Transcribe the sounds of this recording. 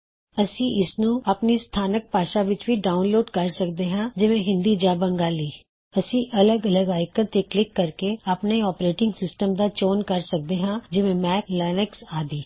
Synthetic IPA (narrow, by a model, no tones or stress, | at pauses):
əsĩːɪsnũːəpniːst̪ʰaːnək̚paːʃaːʋɪt͡ʃʋiːɖaːʊunloːɖkəɾsək̚d̪eːɦãːd͡ʒɪʋẽɦɪ̃nd̪iːd͡ʒaːbəŋɡaːliː | əsĩːʔələɡələɡaːɪkə̃t̪eːklɪkːəɾkeapneɔːpɾeːʈɪ̃ŋɡsɪsʈəmd̪aːt͡ʃoːnkəɾsək̚d̪eːɦãːd͡ʒɪʋẽːmɛːklɛːnəksaːd̪iː